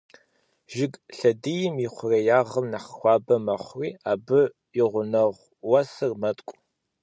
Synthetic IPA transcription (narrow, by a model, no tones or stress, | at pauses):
ʒɪɡɬɐdijɪmɪχʷʊrɐjaːʁəmnaχxʷɑːbɐmɐχʷriːaːbɨ | jɪʁʷʊnɐʁʷ | wɐsɨrmɐtʼkʷʼ